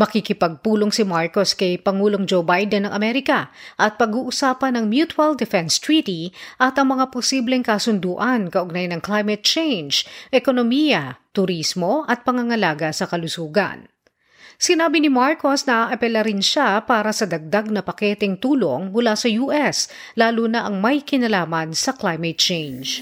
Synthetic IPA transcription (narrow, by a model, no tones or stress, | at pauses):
mɐkikɪpɐɡ̚puːlo̞ŋsɪmaɹkoskɐjpɐŋuːloŋd͡ʒowbajd̪ɛnːɐŋʔɐmɛɾɪkɐʔɐt̪̚pɐɡuːʔʊsaːpɐnɐŋmjut̪wɐld̪ɛfɛnst̪ɹiːt̪iʔɐt̪ɐŋmɐŋaposiːblɛŋkɐsʊnd̪uːʔɐnkɐʔoɡ̚najnɐŋklajmɐt̪̚t͡ʃejnd͡ʒʔɛkonomiːjɐt̪ʊɾismo̞ʔɐt̪̚pɐŋɐŋɐlaːɡɐsɐkɐlʊsuːɡɐ̰n | sɪnaːbinɪmaɹko̞snɐʔaːʔɐpɛlɐɾɪnʃapaːɾɐsɐd̪ɐɡ̚d̪aɡ̚nɐpɐkɛːt̪ɛŋt̪uːlo̰ŋmʊlasɐjuːʔɛslaːluːnɐʔɐŋmɐjkɪnɐlaːmɐnsɐklajmɛt̪̚t͡ʃejnd͡ʒ